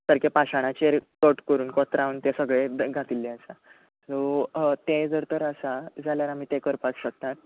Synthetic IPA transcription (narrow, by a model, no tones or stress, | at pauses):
səɾkepaɕaɽ̃at͡ɕeɾkəʈkəɾuːnkɔt̪ɾaʋənt̪ẽsəɡɭeɡʱat̪ilːeəsa | sot̪ed͡zəɾt̪əɾəsad͡zaljaɾam̤iːt̪ekəɾpakɕək̚t̪at̪̚